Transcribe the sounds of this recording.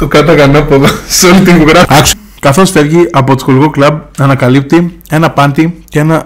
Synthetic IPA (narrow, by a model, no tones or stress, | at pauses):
t̪okɐt̪ɐɣɐnɐpoðɐseolit̪ivuɣɾɐɐks | kɐθo̞sfe̞vʝiʔɐpo̞t̪o̥skolɣoklɐb̚ɐnɐkɐlip̚t̪ie̞nɐpɐnd̪icee̞nɐ